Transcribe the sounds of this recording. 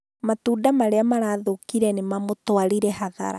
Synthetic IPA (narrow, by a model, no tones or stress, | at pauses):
matuːdamaɾeamaɾaðokiɾɛnemamotwaɾiɾɛhaða̰ɾa̰